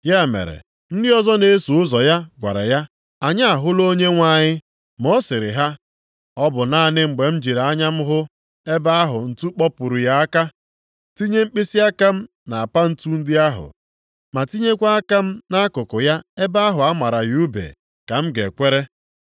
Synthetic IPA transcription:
ja˦˨mḛ˨ɾḛ˨ | n̩˦dɪ˦ɔ˦zɔ˦ne˦su˨ʊ˦zɔ˨ja˦ɡʷa̰˨ɾa̰˨ja˦ | a˨ɲa˦a˨ɦʊ˦lo˦ɲe˦ŋʷa˦ɲɪ˦ | mɔ˦sɪ˨ɾɪ̰˨ɦa˦ | ɔ˦bʊ˨na˦˨nɪ˦ŋ͡m̩˨ɡ͡be˨m̩˦d͡ʒi˨ɾa˨a˦ɲa˦m̩˦ɦʊ˦ | e˦ba˦a˦ɦʊ˨n̩˨tu˦k͡pɔ˦pʊ˨ɾʊ˨ja˦a˦ka˦ | ti˦ɲe˦ŋ͡m̩˦k͡pi˦si˦a˦ka˦m̩˦ | na˨a˨pa˦n̩˦tu˦n̩˦dɪ˦a˦ɦʊ̰˨ | ma˨ti˦ɲe˦kʷa˦a˦ka˦m̩˦na˦a˦kʊ˨kʊ˨ja˦e˦ba˦a˦ɦʊ˨a˦ma˨ɾa˨ju˦bḛ˨ | ka˨m̩˦ɡe˨kʷe˦ɾe˦

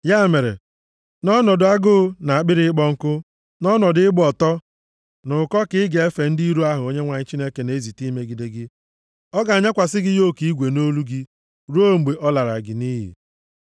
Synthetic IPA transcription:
ja˦˨me˨ɾḛ˨ | nɔ˦nɔ˨dʊ˨˦a˦ɡʊː˦na˨a˨k͡pɪ˦ɾɪ˦ɪ˦k͡pɔ˦ŋ̩˦kʊ˦ | nɔ˦nɔ˨dɪ˦ɪ˦ɡ͡bɔ˨tɔ˦ | nʊ˨kɔ˦kɪ˦ɪ˦ɡe˨e˦fe˨n̩˦di˦i˦ɾu˦a˦ɦʊ˨o˦ɲe˦ŋʷa˨ɲɪ˦t͡ʃi˦ne˦ke˨ne˨e˦zi˨ti˦me˦ɡi˨de˨ɡɪ˦ | ɔ˦ɡa˨a˨ɲa˦kʷa˨sɪ˦ɡɪ˦jo˦˨ki˨˦i˦ɡʷe˨no˦lu˦ɡɪ˦ | ɾo˦˨ŋ͡m̩˨ɡ͡be˨ʔɔ˦la˨ɾa˨ɡɪ˨ni˦ɦḭ˨

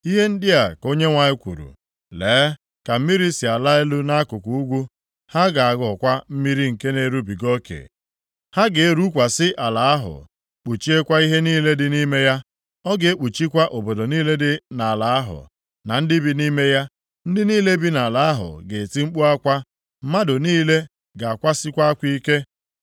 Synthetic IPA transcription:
i˦ɦe˦n̩˦dɪ˦a˨ko˦ɲe˦ŋʷa˨ɲɪ˦kʷṵ˨ɾṵ˨ | leː˨˦ | ka˨m̩˦mi˦ɾi˦si˨a˨la˦e˦lu˦na˦kʊ˨kʷu˨u˦ɡʷu˦ | ha˦ɡa˨a˨ɡɔ˨kʷa˦m̩˦mi˦ɾi˦ŋ̩˨ke˦ne˨˦ɾu˦bi˨ɡo˦kḛ˨ | ha˦ɡe˨e˦ɾu˦kʷa˨sɪ˦ʔa˨la˨a˦ɦʊ̰˨ | k͡pu˨t͡ʃi˦e˦kʷa˦i˦ɦe˦niː˦le˦dɪ˦ni˦me˦ja˦ | ɔ˦ɡe˨e˦k͡pu˨t͡ʃi˦kʷa˦ʔo˨bo˨do˨niː˦le˦dɪ˦na˨la˨a˦ɦʊ̰˨ | na˨n̩˦dɪ˦bi˦ni˦me˦ja˦ | n̩˦dɪ˦niː˦le˦bi˦na˨la˨a˦ɦʊ̰˨ɡe˨ti˦ŋ͡m̩˦k͡pu˦a˦kʷa˦ | m̩˦ma˦dʊ˨niː˦le˦ | ɡa˨a˨kʷa˦sɪ˦kʷa˦a˦kʷi˦ke˦

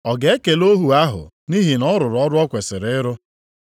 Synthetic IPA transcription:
ɔ˨ɡe˨e˦ke˨lo˦ɦu˨a˦ɦʊ̰˨ | ni˦ɦi˨nɔ˦ɾʊ˨ɾʊ˨ɔ˦ɾʊ˦ɔ˦kʷe˨sɪ˨ɾɪ˦ɾʊ˦

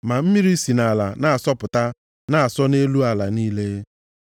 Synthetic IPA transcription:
ma˨m̩˦mi˦ɾi˦si˨na˨la̰˨na˨a˨sɔ˦pʊ˨ta˦ | na˨a˨sɔ˦ne˦lu˦a˨la˨niː˦le˦

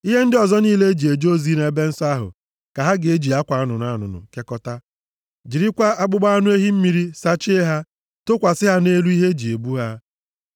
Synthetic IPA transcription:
i˦ɦe˦n̩˦dɪ˦ɔ˨zɔ˦niː˦le˦e˦d͡ʒi˨e˨d͡ʒo˦zi˦ne˦be˦n̩˦sa˦ɦʊ̰˨ | ka˨ɦa˦ɡe˦d͡ʒi˨a˦kʷa˨a˦nʊ˨n˦a˦nʊ̰˨nʊ̰˨ke˦kɔ˦ta˦ | d͡ʒi˨ɾi˦kʷa˦a˦ɡ͡bʊ˦ɡ͡ba˦a˦nʊ˦e˦ɦi˦m̩˦mi˨ɾi˦sa˦t͡ʃe˦e˦ɦa˦ | to˦kʷa˨sɪ˦ɦa˦ne˦lu˦i˦ɦe˦d͡ʒi˨e˨bu˦ɦa˦

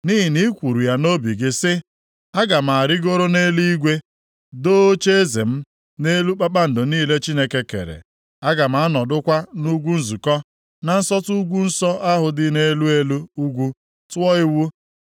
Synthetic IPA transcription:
ni˦ɦi˨ni˦kʷu˨ɾu˨ja˦no˦bi˨ɡɪ˦sɪ˦ | a˦ɡa˨m̩˨a˨a˨ɾɪ˦ɡo˦ɾo˦ne˦li˦i˦ɡʷe˦ | doː˦o˦t͡ʃe˦e˦zḛ˨m̩˦ | ne˦lu˦k͡pa˦k͡pa˦n̩˨dʊ˨niː˦˨le˦t͡ʃi˦ne˦ke˦kḛ˨ɾḛ˨ | a˦ɡa˨m̩˨a˨a˦nɔ˨dʊ˦kʷa˦nu˦ɡʷu˦n̩˦zu˨kɔ˦ | na˨n̩˦sɔ˦tu˦ɡʷu˦n̩˦sɔ˦ʔa˦ɦʊ˨dɪ˦ne˦lu˦e˦lu˦u˦ɡʷu˦ | tʊ˦ɔ˦ɪ˦wu˦

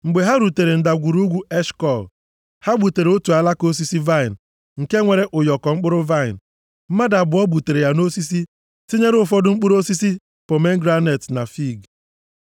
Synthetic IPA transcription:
ŋ͡m̩˨ɡ͡be˨ɦa˦ɾu˨te˨ɾe˨n̩˨da˨ɡʷu˨ɾu˦ɡʷu˦e˦ʃkɔ˦˨l | ha˦ɡ͡bu˨te˨ɾe˨o˦tu˨a˨la˦ko˦s̬i˦si˦va˦ɪ˨n | ŋ̩˨ke˦ŋʷe˨ɾe˦ʔʊ˨jɔ˨kɔ˨ŋ͡m̩˦k͡pʊ˦ɾʊ˦va˦ɪ˨n˨ | m̩˦ma˦da˨bʊ˨˦ɔ˦bu˨te˨ɾe˨ja˨no˦si˦s̬i˦ | si˦ɲe˦ɾʊ˦fɔ˦dʊ˦ŋ͡m̩˦k͡pʊ˦ɾo˦si˦si˦ | po˨me˦ŋ̩˦ɡɾa˦ne˨tna˨fi˦˨ɡ

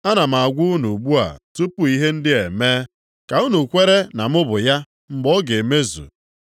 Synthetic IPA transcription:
a˦na˨m̩˨a˨ɡʷu˦nu˨ɡ͡bu˦a̰˨tu˦pu˦i˦ɦe˦n̩˦dɪ˦e˨me˦ | ka˨u˦nu˨kʷe˦ɾe˦na˨mʊ˦bʊ˨ja˦ | m̩˦ɡ͡bɔ˦ɡe˨me˦zṵ˨

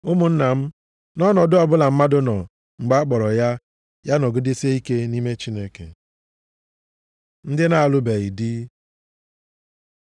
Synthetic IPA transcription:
ʊ˦mʊ˨n̩˦na˨m̩˦ | nɔ˦nɔ˨dʊ˦ɔ˨bʊ˦la˨m̩˦ma˦dʊ˦nɔ˨ | ŋ͡m̩˨ɡ͡ba˦a˦k͡pɔ˨ɾɔ˨ja˦ | ja˦nɔ˨ɡi˦de˦se˦i˦ke˦ni˦me˦t͡ʃi˦ne˦kḛ˨ | n̩˦dɪ˦na˨a˨lʊ˦be˨ɣi˨dɪ˦

